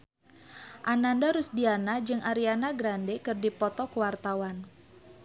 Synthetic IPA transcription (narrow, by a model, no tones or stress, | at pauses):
ʔanandaɾusdianad͡ʒɨŋʔaɾianaɡɾandekɨrdipɔt̪ɔkuwart̪awan